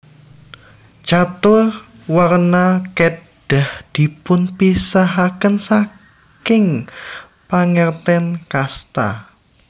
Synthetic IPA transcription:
d͡ʒat̪ʊr | warnake | d̥ahd̪̥i̤pʊnpisaɦakənsa | kɪŋ | paŋɛrt̪ɛnkast̪a̰

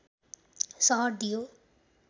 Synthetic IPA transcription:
sʌɦʌrd̪ijo

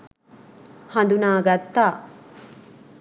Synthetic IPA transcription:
hɐnd̪unaːɡɐt̪ːaː

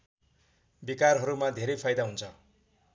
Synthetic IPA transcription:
bikarɦʌɾumad̪ʱeɾʌjpʰajd̪aɦunt͡sʰʌ

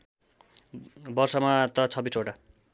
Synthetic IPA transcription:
bʌrsʌmat̪ʌt͡sʰʌbisoʈa

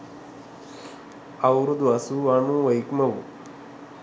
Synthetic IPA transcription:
ɐwɾud̪ʋasuaɳũʋɐjkmɐʋu

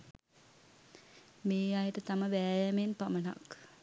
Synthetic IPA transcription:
meːajəʈət̪aməʋæːjæmenpaməna̰k

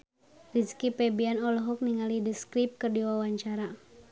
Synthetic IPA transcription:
riskipɛbianɔlɔɦɔk̚niŋalidəskɾip̚kɨrdiwawaɲt͡ʃaɾa

